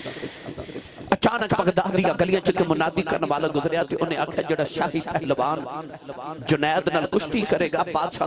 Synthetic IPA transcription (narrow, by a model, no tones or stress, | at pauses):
ɐt͡ʃaːnəkpɐɡd̪aːd̪ijãɡɐlijãːt͡ʃəkemʊnaːd̪ikɐɾəɳʋaːlaɡʊzəɾɪjat̪eʔʊnẽakʰjad͡ʒeːɽaːʃaːɦipɛɦlbaːn | d͡ʒʊnaːt̪naːlkʊʃʈiːkɐɾeːɡaːbaːd̪ʃa̰ː